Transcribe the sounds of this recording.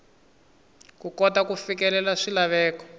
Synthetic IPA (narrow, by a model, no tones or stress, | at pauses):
kukɔtakufikɛlɛlaʂilaβɛːkɔ̥